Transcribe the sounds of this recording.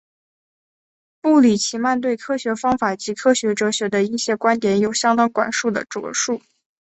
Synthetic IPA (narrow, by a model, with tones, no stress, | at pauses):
pu˥˩li˨˩t͡ɕʰi˧˥ma˥˧nt̪we˥˩ɪkʰɤ˥ɕɥɛ˧˥fɑ˥ŋfa˨˩t͡ɕi˧˥kʰɤ˥ɕɥɛ˧˥ʈ͡ʂɤ˧˥ɕɥɛ˧˥d̪ə˧i˥˩ɕjɛ˥kwa˥nt̪jɛ˨˩njo˨˩ʊɕjɑ˥ŋt̪ɑ˥ŋkwa̰˨˩nʂu˥˩d̪ə̰˩ʈ͡ʂwɤ̰˧˥ʂu˥˩